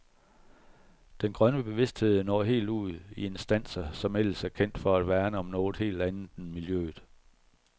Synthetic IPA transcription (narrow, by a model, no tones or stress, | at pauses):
d̥enɡ̥ʁɶnəb̥e̝ʋe̝sd̥he̝ð̞̰ˠnɒ̰ːɦe̝̰ːld̥uð̰ˠie̝nsd̥æn̰sɐsɒ̽mel̰sæɐkʰen̰d̥fɒ̽æd̥ʋæːɐnəɒ̽mnɔːð̩ˠhe̝̰ːld̥ænð̩ˠn̩miljø̰ːð̩ˠ